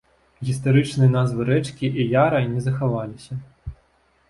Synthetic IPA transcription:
ɣʲist̪aɾɨt͡ʂnɨjɐnazvɨɾɛt͡ʂkʲiʔijaɾɐnʲɛzɐxavalʲisʲɐ

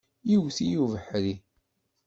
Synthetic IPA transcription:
jiwθijuvəħɾi

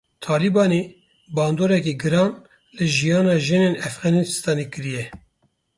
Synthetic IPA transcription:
t̪ʰɑːlibɑːneː | bɑːnd̪oːɾɛkiɡɨɾɑːn | lɨʒijɑːnɑːʒɨneːnɛfɣɑːnist̪ɑːneːkɨɾijɛ

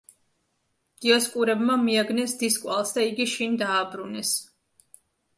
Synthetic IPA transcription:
ɡ̪̥iɔskʼuɾɛbmamiaɡnɛsd̪iskʼwa̰lˠsd̪aiɡiʃind̪aːbɾunɛs

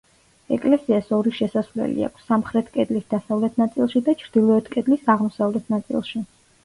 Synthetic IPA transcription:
ɛkʼlɛsiasɔɾiʃɛsasvlɛ̰lḭa̰kʷʰsːamχɾɛt̪ʰkʼɛd̪lisd̪asavlɛt̪ʰnat̪sʼilˠʃid̪at͡ʃʰɾd̪̥ilˠɔɛt̪ʰkʼɛd̪lisaʁmɔsavlɛt̪ʰnat̪sʼḭlˠʃi

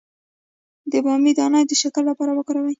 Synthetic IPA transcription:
d̪əbɑmid̪ɑnɑjd̪əʃakəlːapɑɾawəkɑɾawaj

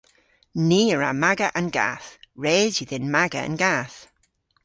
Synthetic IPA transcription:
niːəɹa̰maɡəʔənɡa̰ːθɹeːdiðɪnmaɡə̰ə̰nɡaːθ

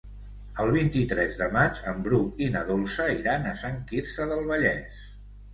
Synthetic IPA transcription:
əlˠβ̞int̪it̪ɾɛzðəmad͡ʒəmbɾukinəðolˠsəiɾanəsaŋkiɾsəðəlˠβəʎɛs

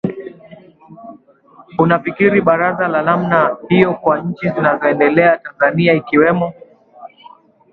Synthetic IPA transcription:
unafikiɾiɓaɾazalanam̩nahijɔkwaɲ̩t͡ʃizinazɔɛndɛlɛatanzaniaikiwɛmɔ

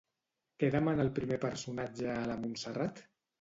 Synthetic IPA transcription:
keðamanalˠpɾimepəɾsunad͡ʒəːlamunsərat̪

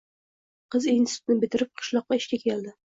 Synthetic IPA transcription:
qɨzejnst̪ɪnɪbɪ̆t̪ɪɾɪp̚qʰɨ̥ʃlˠɒqːɑɪʃkʲakʲʰelˠd̪ɪ

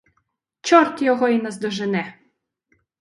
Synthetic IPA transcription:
t͡ʃɔɾt̪jɔɣɔinɐzd̪ɔʒɛnɛ

